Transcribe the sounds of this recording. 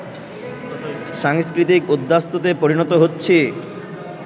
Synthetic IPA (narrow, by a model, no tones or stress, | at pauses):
ʃaŋskɾit̪ikud̪ːast̪ot̪̬epoɾinɔt̪oɦotːɕʰe